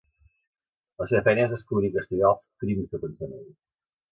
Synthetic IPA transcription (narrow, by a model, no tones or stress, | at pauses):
ləseəfɛnəzəskluɾikəst̪iɣalˠskɾimizðəpənzəneɾi